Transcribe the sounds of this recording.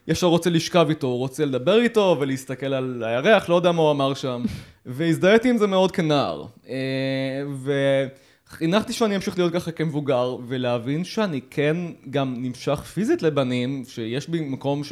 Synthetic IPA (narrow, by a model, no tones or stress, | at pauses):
jʔɛfʃaʁo̞t͡seliʃkavito̞ʁot͡sele̞d̪abe̞ʁito̞veleist̪ake̞lalajaʁeaχlojodeamauamaʁʃam | veizd̪ajet̪iimzemeo̞d̪̚kena̰ʁe | ve | χinaχt̪iʃeaniamʃiχlijo̞t̪̚kaχakemevuɡaʁve̞leavinʃeanikʰenɡamnimʃaχfizit̪lebanimʃejeʃbimako̞mʃ